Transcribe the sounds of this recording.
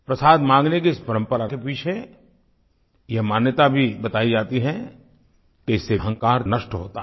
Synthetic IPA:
pɾɐsaːd̪mãːŋɡnekeɪspɐɾə̃mpəɾakepiːt͡ʃʰe | jɛɦmaːnjət̪abʱibɐt̪aːid͡ʒaːt̪iɦɛ̃ | keɪsːeɦə̃ŋkaːɾnɐʃʈɦoːt̪a

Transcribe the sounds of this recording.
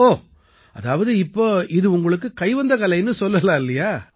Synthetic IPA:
oː | ɐðaːʋɐðɯɪpːoːɪðɯʊŋɡɐɭɯk̬ːɯkɐɪʋɐnd̪ɐkɐlɐɪnːɯsɔlːɐlãːɪlːɐjaː

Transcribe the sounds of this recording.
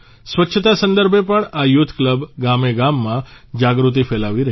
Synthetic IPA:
sʋəʃʰət̪asənd̪əɾbʱepəɳajut̪ʰːkləbɡameɡamːã | d͡ʒaɡɾut̪̬ifɛlaʋiɾə

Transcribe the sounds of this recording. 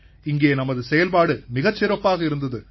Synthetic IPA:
ɪŋɡeːnɐmɐðɯsɛjɐlpaːɽɯmɪɣɐt͡ʃːɪɾɐpːaːɣɐɪɾɯnd̪ɐðɯ

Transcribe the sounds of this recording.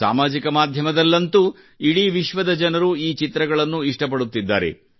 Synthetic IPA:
sa̰ːmaːd͡ʒikɐmaːd̪ʱjɐmɐd̪ɐlːɐnt̪u | iɽiʋiʃʋɐd̪ɐd͡ʒɐnɐɾuiːt͡ʃit̪ɾɐɡɐɭɐnːuiʂʈɐp̬ɐɽut̪ːid̪ːaːɾe̞̰

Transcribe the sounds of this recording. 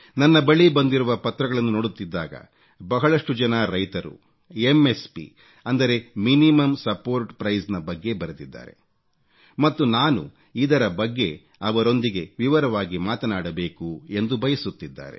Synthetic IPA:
nɐnːɐbɐɭibɐnd̪iɾuʋɐpɐt̪ɾɐɡɐɭɐnːunoːɽut̪ːid̪ːaːɡɐ̰ | bɐɦɐɭɐʂʈud͡ʒɐnɐɾɐjt̪ɐɾṵ | emːespḭ | ɐnd̪ɐɾe̞minimɐmsɐpoːɾʈpɾɐjsnɐbɐɡːe̞bɐɾut̪id̪ːa̰ːɾe̞̰ | mɐt̪ːunaːnṵ | id̪ɐɾɐbɐɡːe̞ | ɐʋɐɾo̞nd̪iɡe̞ʋiʋɐɾɐʋaːɡimaːt̪ɐnaːɽɐbe̞ːkue̞nd̪ubʱɐjɐsut̪ːid̪ːa̰ːɾe̞̰

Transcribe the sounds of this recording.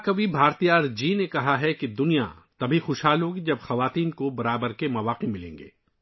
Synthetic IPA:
kɐʋibʱaːɾt̪iaːɾd͡ʒiːnekɐɦaɦɛkid̪ʊnija̰t̪ɐbʱixʊʃɦaːlõɡid͡ʒɐbxɐʋaːt̪iːnkobɐɾaːbəɾkemɐʋaːqimɪlḛ̃ːŋɡḛː

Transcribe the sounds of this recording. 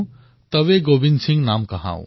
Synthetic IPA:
t̪ʌbeɡobinsʰiŋnamkʌɦã̰w̃

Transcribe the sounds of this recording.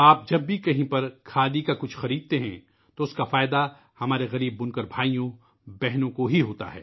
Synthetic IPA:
aːp̚d͡ʒɐbːikɐɦĩpɐɾkʰaːd̪ikakʊt͡ʃʰxɐɾiːd̪̚t̪eɦɛ̃ | t̪oʊskafaːɪd̪a | hɐmaːɾeɣɐɾiːbːʊnkəɾbʱaːijõ | bɛɦnõkoɦiɦoːt̪a̰ɦɛ̰ː

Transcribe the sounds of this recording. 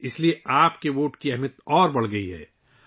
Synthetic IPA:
ɪslieaːpkewoːʈkiɐɦmət̪ɔːɾbɐɽ̤ɡɐiɦɛ̰ː

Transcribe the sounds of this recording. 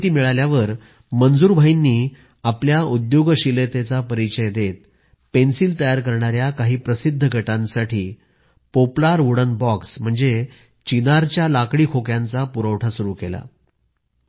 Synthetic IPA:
t̪iːmiɭaljaʋəɾ | mənd͡zuːɾbʱainːiː | apljaud̪joɡɕilet̪et͡sapəɾit͡ɕəjd̪et̪̚ | pensiːlt̪əjaɾkəɾɳ̃aɾjakaɦiːpɾəsid̪ʱːəɡʱəʈãnsaʈʰiː | poplaɾʋuɽənbɔksm̤əɳd͡ze | t͡ɕinaɾt͡ɕjalakɽiːkʰokjant͡sapuɾəʋʈʰasuɾuːkela̰

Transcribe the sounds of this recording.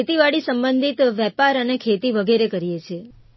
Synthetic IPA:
et̪iʋaɽisəmbənd̪ʱit̪ʋɛpaɾənekʰet̪iʋəɡeɾekəɾijet͡ʃʰe

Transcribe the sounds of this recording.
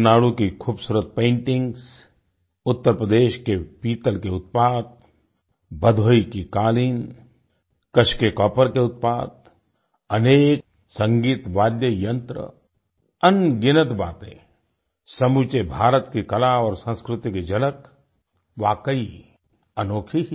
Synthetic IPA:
naːɽukikʰuːbsuːɾət̪̚pẽːɳʈɪ̃ŋɡs | ʊt̪ːəɾpɾəd̪eːʃkepiːt̪əlkeʊt̪̚paːd̪̚ | bəd̪ʱoːikikaːliːn | kəʃkekɔːpəɾkeʊt̪̚paːd̪̚ | ɐneːk | sɐ̃ŋɡiːt̪ʋaːd̪jəjɐ̃nt̪ɾə̰ | ənɡɪnət̪baːt̪ḛ̃ | sɐmut͡ʃebʱaːɾət̪kikɐlaɔːɾsə̃nskɾʊt̪iked͡ʒɐlək | ʋaːkəi | ənoːkʰi

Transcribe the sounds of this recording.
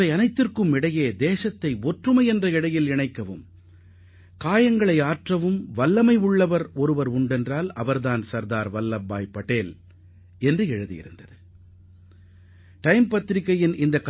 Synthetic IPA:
ɐɪɐnɐɪt̪ːɪrkɯmɪɽɐjeːd̪eːsɐt̪ːɐɪɔʈrɯmɐɪɛndrɐɪɽɐjɪlɪɳɐɪkːɐʋɯ̰m | kaːjɐŋɡɐɭɐɪaːʈrɐʋɯmʋɐlːɐmɐɪʊɭːɐʋɐɾɔɾɯʋɐɾʊɳɖɛndraːlɐ̰ʋɐɾðaːnsɐɾðaːɾʋɐlːɐbːa̰ːjpːɐʈeːl | ɛndrɯɛɻɯðḭjɪ̰ɾɯnd̪ɐðɯ | ʈɐɪmpɐt̪ːɪɾɪkːɐjɪnɪnd̪ɐk

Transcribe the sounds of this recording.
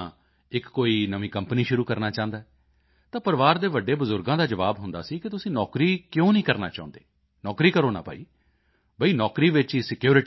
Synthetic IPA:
ɪkːoːiːnəmĩːkəmpniːʃʊɾuːkəɾnaːt͡ʃãːnd̪aːɛ | t̪ãːpəɾʋaːɾd̪eːʋəɖːeːbəzʊɾɡãːd̪aːd͡ʒəʋaːbɦʊnd̪a̰ːsiːkɪt̪ʊsĩːnɔːkɾiːkjõːnəĩːkəɾna̰ːt͡ʃã̰ːʊ̃nd̪eː | nɔːkɾiːkəɾoːna̰ːpa̰ːḭː | bəiːnɔːkɾiːʋɪt͡ʃiːsɪkjuːɾɪʈ

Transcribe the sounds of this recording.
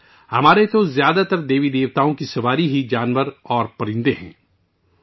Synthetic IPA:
hɐmaːɾet̪ozjaːd̪at̪əɾd̪eːʋid̪eːʋt̪aːõkisɐʋaːɾiɦid͡ʒaːnʋəɾɔːɾpɐɾɪ̃nd̪eɦɛ̰̃ː

